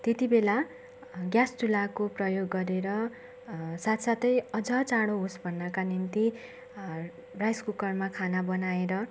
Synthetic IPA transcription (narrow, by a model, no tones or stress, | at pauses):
t̪et̪ibela | ɡjastulakoprʌjoɡːʌɾeɾʌ | sat̪ʰsat̪ʌjʌd͡zʌt͡saɽoɦosbʱʌnːʌkanint̪i | rajskukʌrmakʰanabʌnaeɾʌ